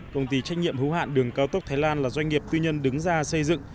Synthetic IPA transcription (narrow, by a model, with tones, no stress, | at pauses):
kə˧wŋ͡mt̪i˧˩t͡ɕa˦˥jk̟̚ɲḭ˧˨əmhɨ˨˦ha̰ː˧˨nɗɨ˨˩əŋkaː˧wt̪ə˦˥t̪ʰaː˨˦jlaː˧nlaː˨˩zwa˧jŋ̟ŋi˨˩əp̚t̪ɨ˧ɲə˧nɗɨ˨˦ŋzaː˧sə˧jzɨ̰˧˨ŋ